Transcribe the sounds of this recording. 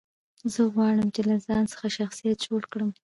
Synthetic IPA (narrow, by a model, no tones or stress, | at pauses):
zəɣwɑɽəmt͡ʃelazɑnsə̥xaʃaxsijat̪̚d͡ʒolkɽəm